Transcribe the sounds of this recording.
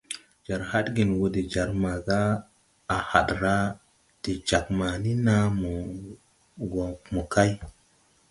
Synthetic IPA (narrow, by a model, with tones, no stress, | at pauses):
d͡ʒa˨ɾha˦tɡi˨nwo˧de˨d͡ʒa˨ɾma˨ɡaː˦˨ | ha̰˨ɗɾa˦ | d̥e˨d͡ʒa˨k̚ma˨ni˦na˦mo˨ | ɡo˨mo˨ka˦j